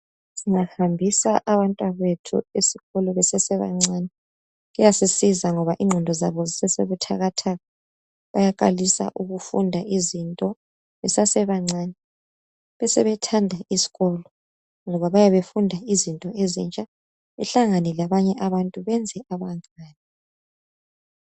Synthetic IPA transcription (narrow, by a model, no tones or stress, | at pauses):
siŋahambʱisaʔaβantʼwaβetʰṵesiɣɔlɔβɛsɛsɛβa̰ŋ͡ǀaːnɛ | ɣujasisizaŋɔβaʔiŋ͡ǁʱɔndʱɔzaβɔzisɛsḛβutʰa̰ɣatʰaɣa | βa̰jakʼa̰lisa̰ʔuɣufundʱaʔizintʼɔ | βɛsasɛβaŋ͡ǀʱaːnɛ | βɛsɛβɛtʰandʱaʔisi̥ɣɔlɔ | ŋɔβaβajaβefundʱaizintʼɔezḭnt͡ʃʼa | βɛɬaŋanɛlaβaɲɛʔaβantʼuβɛnd͡zʱɛʔaβaŋ͡ǀaːnɛ